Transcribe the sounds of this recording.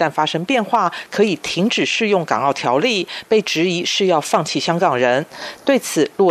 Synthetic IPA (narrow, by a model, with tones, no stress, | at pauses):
a˥˩nfa˥ʂɤ˥ŋpjɛ˥˧nxwa˥˩kʰɤ˧˥i˨˩t̪ʰi˧˥ŋʈ͡ʂɻ̩˨˩ʂɻ̩˥˧jʊ˥˩ŋkɑ̰˨˩ŋɑ˥˩ʊt̪ʰjɑ˧˥ʊli˥˩pe˥˩ɪʈ͡ʂɻ̩˧˥i˧˥ʂɻ̩˥˧jɑ˥˧ʊfɑ˥˧ŋt͡ɕʰi˥˩ɕjɑ˥ŋkɑ˨˩ŋɻə˧˥nt̪we˥˩ɪt͡sʰɹ̩˨˩lwɔ˥˩